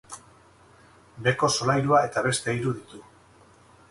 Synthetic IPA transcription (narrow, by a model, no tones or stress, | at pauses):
be̞ko̞so̞lajɾuae̞t̪aβ̞e̞st̪e̞iɾuðit̪u